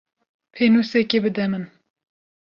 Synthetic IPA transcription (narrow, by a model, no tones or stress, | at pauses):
pʰenusɛkebɨd̪ɛmɨn